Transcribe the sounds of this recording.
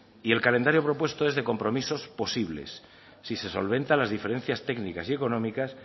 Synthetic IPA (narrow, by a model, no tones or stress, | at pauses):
ie̞lkale̞nd̪aɾjo̞pɾo̞pwe̞st̪oezðe̞ko̞mpɾo̞miso̞spo̞siβ̞le̞̰sː | ise̞so̞̰lβ̞ẽ̞nt̪alazðife̞ɾẽ̞n̟θjast̪e̞ɡnikasie̞ko̞nõmikas